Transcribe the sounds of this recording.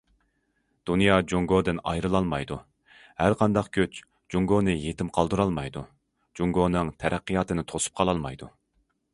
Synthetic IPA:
d̪̥unjɑd͡ʒuŋɡod̪ɨnɑjɾɨlˠɑlˠmɑjd̪u | hæɾqʰɑnd̪ɑqkʲʰøt͡ʃ | d͡ʒuŋɡonɨjet̪ʰɪmqʰɑlˠd̪uɾɑlˠmɑjd̪u | d͡ʒuŋɡonɨŋt̪ʰɛɾʔæqːɨjɑːt̪ɨnɪt̪ʰosu̥p̚qʰɑlˠɑlˠmɑjd̪u

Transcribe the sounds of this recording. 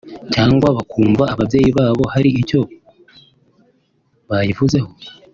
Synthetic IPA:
caːŋɡwaβakuːmvaːβavje̞ːjiβaːβo̞haɾiico̞ | βajivuze̞ho̞

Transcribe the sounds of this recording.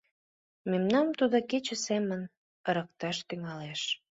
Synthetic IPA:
memnɑmt̪ud̪oket͡ɕə̆semən | əɾək̚t̪ɑʃt̪yŋɑleʃ

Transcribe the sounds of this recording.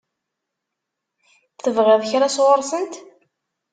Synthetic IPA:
θθəvʁɪðˤçɾaswəɾˤsənt̪

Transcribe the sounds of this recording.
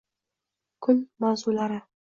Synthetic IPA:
kʰɵlmawzulaɾɪ

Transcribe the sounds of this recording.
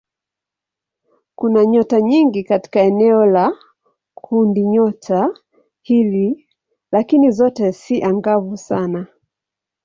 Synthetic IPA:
kunaɲɔtaɲiŋɡikati̥kaɛnɛɔla | kʰundiɲɔtʰa | hili | lakinizɔtɛsiʔaŋɡavusana

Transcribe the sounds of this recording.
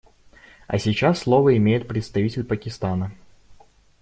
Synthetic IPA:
ɐ̰sʲit͡ɕasːlˠovəɪmʲejɪt̪̚pɾʲɪt̪st̪ɐvʲitʲɪlʲpəkʲɪst̪anə

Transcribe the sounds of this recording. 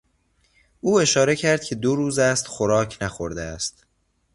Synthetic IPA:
ʔuːe̞ʃɒːɾe̞cʰæɾd̪̚cʲʰe̞d̪oɾuːzæst̪xoɾɒːcʰnæxoɾd̪eæst̪

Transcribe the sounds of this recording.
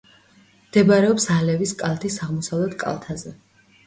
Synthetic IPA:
md̪̥ɛbaɾɛɔpsalɛviskʼalˠt̪ʰisaʁmɔsavlɛt̪ʰkʼa̰lˠt̪ʰazɛ

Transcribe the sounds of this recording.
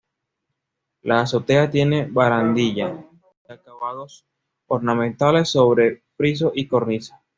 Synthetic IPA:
lʔaːso̞t̪e̞at̪je̞ne̞βaɾand̪iʝa | akaβaðo̞s | oɾnamẽnt̪ale̞sːo̞βɾe̞pɾis̬o̞ʔiko̞ɾnisḁ

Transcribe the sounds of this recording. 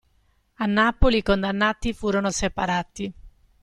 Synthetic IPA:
anːaːpolikond̪anːaːt̪ifuːɾonosepaɾaːt̪i

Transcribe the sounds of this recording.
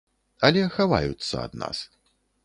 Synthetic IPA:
ɐlʲɛxava̰jut̪sːɐ̰ɐd̪na̰s

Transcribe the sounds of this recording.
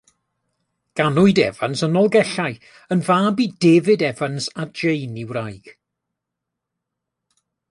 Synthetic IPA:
ɡ̥anʊɨdɛ̰va̰nsənɔlˠɡɛɬaj | ənvaːbiːdeːvɨdɛvansad͡ʒejnɪwrajɡ̥

